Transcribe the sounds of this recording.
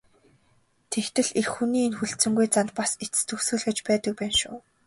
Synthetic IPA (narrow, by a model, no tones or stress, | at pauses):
t̪ʰekt̪ɘ̆ɮexxuniːnxuɬt͡sɘ̆ŋɡujt͡sant̪̚paset͡st̪ʰɵxsɘ̆ɮɣɘ̆t͡ɕpæːt̪ə̆k̚pæːnʃʊː